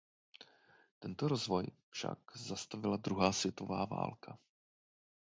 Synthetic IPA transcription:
t̪ɛnt̪oɾozvo̞jfʃa̰kzast̪avɪlad̪ɾuɦaːsvjɛt̪ovaːva̰ːlkʰa

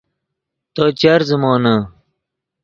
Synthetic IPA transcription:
t̪oːt͡ɕɐɾzɐmoːnɐ

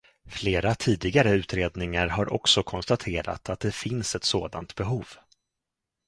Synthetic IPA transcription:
fleːɾat̪ʰiːd̪ɪɡaɾəʉ̟ːt̪ɾeːd̪nɪŋaɾɦaɾʔɔ̰ksɔkʰɔnst̪at̪ʰeːɾa̰t̪ʰat̪̚d̪ɛfɪnsɛt̪soːd̪a̰nt̪bɛɦuːv

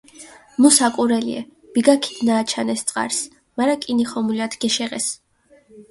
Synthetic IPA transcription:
musakʼuɾɛlḭɛ̰ | b̥iɡakʰid̪̥naːt͡ʃʰanɛst̪sʼqʼa̰ɾs | maɾakʼiniχɔmuliat̪ʰɡ̥ɛʃɛʁɛ̰s

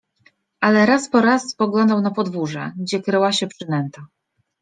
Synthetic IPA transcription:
ʔalɛɾaspɔɾaspɔɡlɔnd̪awnapɔd̪vuʐɛ̰ɡd͡ʑɛkɾɛwaɕɛpʂɘnɛnt̪ɔ

